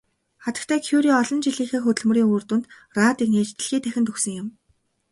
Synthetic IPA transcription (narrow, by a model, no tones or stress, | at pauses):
χat̪ə̆kt̪ʰæːkʰjuɾiːɔɮɞ̆nt͡ɕiɮiːxeːxɵt̪ɵ̆ɮmɵ̆riːŋoːrt̪uːnt̪ | raːt̪iːkneːt͡ɕt̪ɘ̆ɮxiːt̪ʰæxʲɪ̆nt̪ɵxsɵ̆ŋjʊ̆m